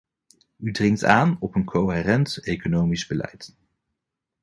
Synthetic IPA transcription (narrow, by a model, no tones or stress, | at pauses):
ydrɪŋk̚taːnɔpənkʰowɦeːrɛntejkonowmizbəlɛ̰jt